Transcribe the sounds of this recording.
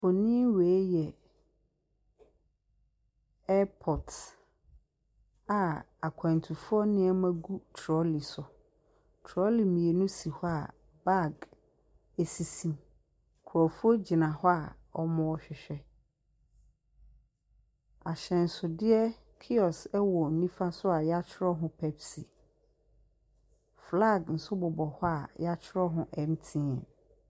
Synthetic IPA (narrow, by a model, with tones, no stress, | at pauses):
ɔ˨nĩ˦we˨˦jɛ˨ | ɛ˦pʰɔ˨t | a˨ | a˨kʰã˨ntʰu˨fʊ˦ɔ˦nɪ̃˦ɛ˦mã˦ɡu˦tʰɾɔ˦li˨sʊ˨ | tʰɾɔ˦li˨mĩ˨e˨nʊ̃˦si˨hɔ˦a˨ | ba˦˨ɡ | e˨si˨sĩ˨m | kʰʊ˨ɾɔ˨fu˦o˦d͡ʑɪ˨nã˨hɔ˦a˨ | ɔ˦mɔ̃˦ɔ˦ɕᶣɪ˨ɕᶣɛ˦ | a˨ɕɛ̃˨n̩˨sʊ˨dɪ˦ɛ˦ | kʰi˦ɔ˨sɛ˦wɔ˨n̩˨nĩ˦fa˦sʊ˦a˨jɛ˦a˦t͡ɕʰɪ˦ɾɔ˦ɦʊ̃˦pʰɛ˦psi˨ | fla˦˨ɡn̩˨sʊ˦bʊ˨bɔ˨hɔ˦a˨jɛ˦a˦t͡ɕʰɪ˦ɾɔ˦ɦʊ̃˦ʔɛ˨m̩˦tʰĩ˦ɛ˨